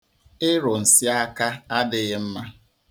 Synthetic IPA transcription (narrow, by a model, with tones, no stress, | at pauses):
ɪ˦ɾʊ˨n̩˨si˦a˦ka˦a˦dɪ˨ɣɪ˦m̩˦ma˦